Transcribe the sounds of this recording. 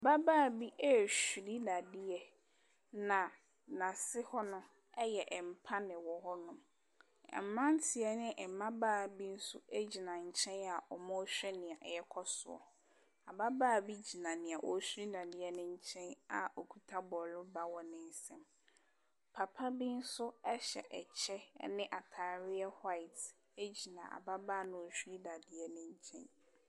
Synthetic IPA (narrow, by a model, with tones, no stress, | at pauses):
a˨ba˦baː˦˨bi˦ʔɛ˦˨ɕu˨ɾi˦na˨dɪ˦ɛ˦ | nã˨ | nã˨sɪ˦hɔ˦nʊ̃˦ | ɛ˦jɛ˨ʔɛ˨m˨pʰa˦nɪ̃˨wɔ˨ɦɔ˦nʊ̃˦m | ɛ̰˨m̩˨mã˦n̩˦tʰɪ˨ɛ˨˦nɪ̃˦ʔɛ˨mã˦baː˦˨bi˦n̩˦su˦e˦d͡ʑi˨nã˨ɲ̩˨t͡ɕʰɛ̃˦na˨ʔɔ˨mɔ̃˦ɕᶣɛ˦nɪ̃˨a˨ʔjɛ˦kʰɔ˦sʊ̰˨ɔ̰˨ | a˨ba˦baː˦˨bi˦d͡ʑi˨nã˨nɪ̃˨a˨ʔɔ˨˦su˦ɾi˦na˨dɪ˨ɛ˦nʊ̃˦ɲ̩˦t͡ɕʰɛ̃˦na˨o˨kʰu˨tʰa˦bɔ˨lʊ˦ba˨wɔ˨nɪ̃˦n˦sɛ̃˨m | pʰa˨pʰa˦bi˦n̩˦sʊ˦ɛ˦ɕɛ̰˨ʔɛ̰˨t͡ɕʰɛ˦nɪ̃˦ʔa˨tʰaː˨ɾɪ˦ɛ˦ha˦ɪ˨t | e˦d͡ʑi˨nã̰˨ʔa̰˨ba˦baː˦˨nʊ̃˦o˨ɕᶣu˦ɾi˦da˨dɪ˨ɛ˦nɪ̃˦ɲ̩˦t͡ɕʰɛ̰̃˦n